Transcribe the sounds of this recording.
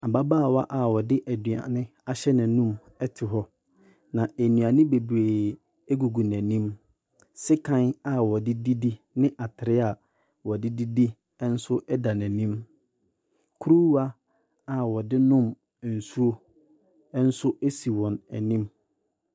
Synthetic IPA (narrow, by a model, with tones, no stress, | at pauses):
a˨ba˦baː˦˨wa˦ʔa˨wɔ˨dɪ˦ʔæ˨dɥa̰˨nɪ̃˦ | a˦ɕɛ˦nɪ̃˨nũ˦m | ɛ˦tʰɪ˨ɦɔ˦ | nã˨æ˨nũ˨ã˨nɪ̃˦be˨bu˨e˨ | e˦ɡu˨ɡu˨næ̃˨nĩ˦m | sɪ˦kʰã˦na˨wɔ˨dɪ˦di˦di˦ | nɪ̃˦ʔa˨tʰɪ˨ɾɪ˦a˨ | wɔ˨dɪ˦di˦di˦ | ɛ˦n̩˦sʊ˦ʔɛ˦da˨næ̃˨nĩ˦m | kʰu˦ɾu˦a˦ | a˨wɔ˨dɪ˦nʊ̃˦m˨ | n̩˨su˦o˦ | ɛ˦n̩˦sʊ˦e˦si˨wɔ̃˨næ̰˨nĩ˦m